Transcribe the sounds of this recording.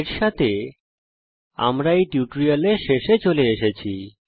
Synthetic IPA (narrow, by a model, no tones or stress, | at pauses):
ɾʃat̪ʰe | a̰mɾaeʈjuʈoɾialeʃeʃet͡ɕoleeʃet͡ɕʰi